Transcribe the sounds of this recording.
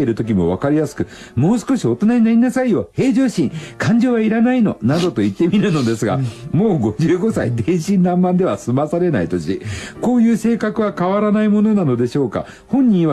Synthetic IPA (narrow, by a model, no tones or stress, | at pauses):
eiɾɯ̟t̪o̞k̬ʲimo̞β̞akaɾʲijasɨ̥kɯ̟ | mo̞ːsɨ̥ko̞ɕio̞t̪o̞naɲ̟inaɾʲinasaijo̞ːhe̞ːʑo̞ːɕĩŋkʰãɲ̟d͡ʑo̞βaiɾanaino̞nad̪o̞t̪o̞it̪ːe̞mʲiɾɯ̟no̞d̪e̞sɨɡa̰moːɡo̞d͡ʑɨːɡo̞sa̰it̪ẽ̞ɕĩnd̪ãmːãnd̪e̞βasɨmasaɾe̞nait̪o̞ɕiko̞ːjɯ̟ːse̞ːkakɯ̟βakaβaɾanaimo̞no̞nano̞d̪e̞ɕo̞ːka̰ | hõ̞ɲ̟ːĩβa